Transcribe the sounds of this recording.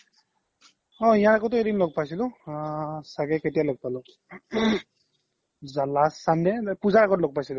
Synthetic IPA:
ɔ̃ijanakɔtʊedinloɡ̚pajsilʊ̃ | saɡɛketijalɔɡ̚palʊ̃ | zalasandɛpuzaɹakɔtloɡ̚pajsilʊ̃

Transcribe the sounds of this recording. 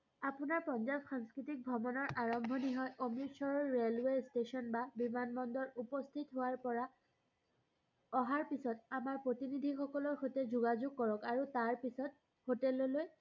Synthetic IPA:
apunaɹpɔnzabxaŋskɹitik̚bʱɔmɔnɔɹʔaɹɔmbʱɔniɦɔjʔomisɔɹɔɹːelwestesɔnbabimanbɔndɔɹupɔst̪ʰitɦowaɹpɔɹa | ɔɦaɹpisɔtamaɹpɹotinid̪ʱixɔkɔlɔɹxotɛzuɡazuɡ̚kɔɹɔkaɹutaɹpisɔt̚ | hotɛlɔloj

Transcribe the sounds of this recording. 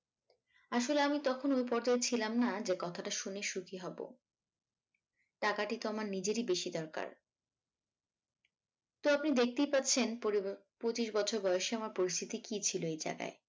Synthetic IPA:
aʃoleamit̪ɔkʰonojp̬ɔɾd͡ʑaet͡ɕʰilamnad͡ʑekɔt̪ʰaʈaʃuneʃukiɦɔbo̰ | ʈakaʈit̪oamaɾnid͡ʑeɾibeʃid̪ɔɾka̰ɾ | t̪oapnid̪ek̚ʰt̪ejpat̪ːɕʰen | pot͡ɕiʃbɔt͡ɕʰoɾbɔjoʃeamaɾpoɾist̪ʰit̪ikit͡ɕʰiloejd͡ʑa̰ɡa̰e

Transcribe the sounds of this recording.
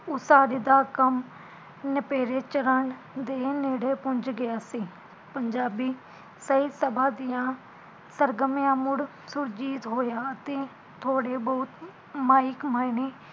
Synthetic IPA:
ʊsaːɾiːd̪aːkəm | nəpeːɾeːt͡ʃəɾəɳ | d̪eːneːɽeːpʊɲd͡ʒɡɪjaːsiː | pəɲd͡ʒaːbiː | səiːsəbãːd̪ɪjãː | səɾɡəmɪjãːmʊɽ | sʊɾd͡ʒiːt̪ɦoːjaːət̪eː | t̪ʰoːɽeːbɔːt̪ | maːɪkmaːɪneː

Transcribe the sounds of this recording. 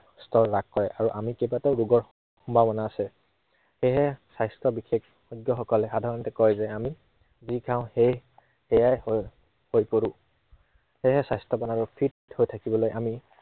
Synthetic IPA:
stɔɹːakkɔɹɛʔaɹuʔamikebatɛʊɹuɡɔɹ | xumbʱabɔnaːsɛ | xejɦɛsajstɔbixʰek | ɔɡjɔxɔkɔlɛxadʱaɹɔntɛkɔjzɛami | zikãʊ̃hej | ɛjaj | hojpoɹũ | hejɦɛsajstɔbanaɹupʰitthojtʰakibɔlojʔami

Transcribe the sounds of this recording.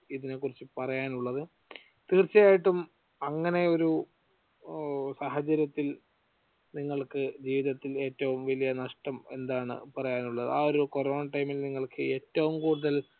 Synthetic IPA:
iðine̞kːurit͡ɕːɨpɐrɐjaːnuɭːɐðɨ | t̪iːrt͡ɕːɐjaːjiʈːum | ɐŋːɐne̞o̞ɾu | saːɦɐt͡ɕɐɾjɐt̪ːil | niŋːɐɭkɨd͡ʑiːʋiðɐt̪ːile̞ːtːɐʋumʋɐlijɐnɐʂʈɐme̞nd̪aːɳɨ̰pɐrɐjaːnuɭːɐðɨ̰aːo̞ɾukoroːnʈɐjmilniŋːɐɭkʰɨe̞ːtːɐʋumkuːɽuðɐl

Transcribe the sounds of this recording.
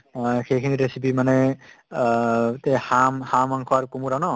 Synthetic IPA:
xejkʰiniɾesipimanɛ | t̪ehamhamaŋkʰɔaɾkumuɾanɔ

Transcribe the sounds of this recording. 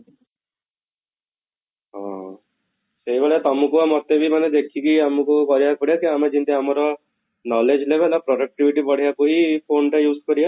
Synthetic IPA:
ɦɔ̃ | seibaɭet̪ɔmũkuamɔt̪ebʱimaned̪ekʰikiamukukɔɾijakɔɽiakiamed͡ʒint̪iamɔɾɔ | nɔled͡ʒlebelapɾɔɖɔk̚ʈibʱiʈipɔɽ̤ijakuɦipʰonʈajuːskɔɾia

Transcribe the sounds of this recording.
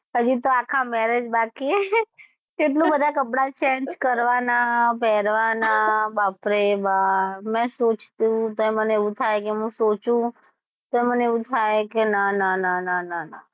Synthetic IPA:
ɦəd͡ʒit̪oakʰamɛɾed͡ʒbaki | eʈlũbəd̪ʱakəpɽat͡ʃɛ̃nd͡ʒkəɾʋanapɛɾʋanabapɾebamɛ̃sot͡ʃt̪ũt̪oɛməneeʋũt̪ʰajkeɦũsot͡ʃũ | t̪oeməneeʋũt̪ʰajkenananananana

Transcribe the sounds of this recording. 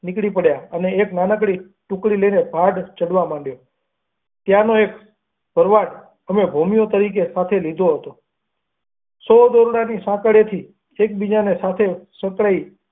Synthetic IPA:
nikɽipəɽjaəneːknanəkɽi | ʈũkɽiləinebʱaɖt͡ʃəɽʋamãɳɖjo | t̪janoek | b̥ʱəɾʋaɖ | əmebʱomijot̪əɾik̬esat̪ʰelid̪ʱoɦət̪o | sɔd̪oɾuɽanisãkəɽet̪ʰi | ek̚bid͡ʒanesat̪ʰesə̃kɭai

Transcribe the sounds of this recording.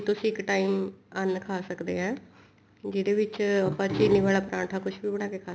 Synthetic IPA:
t̪ʊsĩːɪkʈaːiːmənkʰaːsəkd̪ḛːɛ̃ː | d͡ʒɪd̪eːʋɪt͡ʃapãːt͡ʃiːniːʋaːɭaːpɾãːʈʰaːkʊt͡ʃʰʋiːbəɽ̃aːkeːkʰaː

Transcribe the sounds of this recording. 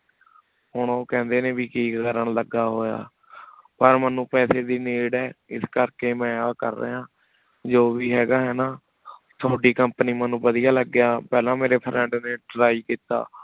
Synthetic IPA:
hʊɳoːkɛ̃ːnd̪eːneːbiːkiːkəɾəɳləɡaːɦoːja̰ː | pəɾmənːũːpɛːseːd̪iːniːɽɛːɪskəɾkeːmɛ̃ːaːkə̰ɾːḛɦãː | d͡ʒoːʋiːɦɛːɡaːɦɛːnaː | t̪ʰoːɖiːkəmpəniːmənːũːbəd̪ijaːləɡːɪjaːpɛːlãːmeːɾeːpʰɾɛ̃ːɳɖneːɖɾaːiːkiːt̪a̰ː

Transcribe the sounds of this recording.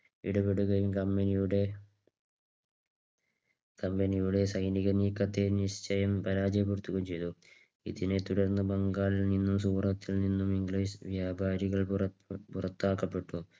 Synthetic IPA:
ḭɽɐbeɽuɣɐjumkɐmbenijuɽe̞ | kɐmbenijuɽe̞sɐjniɣɐniːkːɐt̪ːe̞niɕt͡ɕɐjɐmpɐɾaːd͡ʑɐpurt̪ːuɣɐmt͡ɕe̞jt̪u | ḭðinet̪uɽɐrnːɐbɐŋɡaːɭilninːumsuːrɐt̪ːilninːumiŋɡliːsʋjaːbʱaːɾiɣɐɭprɐpurɐt̪ːaːkːɐpːe̞ʈːu

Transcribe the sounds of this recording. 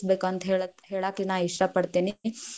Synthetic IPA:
sbeːkuɐnt̪ɐɦeːɭɦeːɭaːklinaːiʂɾɐpɐɽt̪eːni

